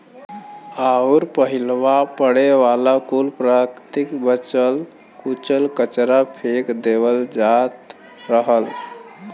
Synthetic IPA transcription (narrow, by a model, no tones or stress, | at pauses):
auɾpəɦilʋapəɽeʋalakulpɾakt̪ikbət͡ʃəl | kut͡ʃəlkət͡ʃɾapʰekd̪eʋəld͡zat̪ | ɾəɦəl